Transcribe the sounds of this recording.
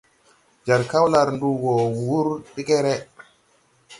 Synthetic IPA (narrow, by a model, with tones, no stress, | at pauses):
d͡ʒaɾka˦wlaɾndu˨ɡɔ˨wu˦ɾɗi˦kɛɾɛ